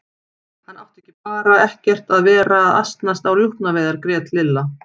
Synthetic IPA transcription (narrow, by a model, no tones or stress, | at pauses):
hanːawht̪ɛhcɪpaːɾaɛhcɛr̥t̪aðvɛːɾaːða̰st̪nast̪awɾjuhpnavɛːðaɾkɾɛːt̪lɪlːa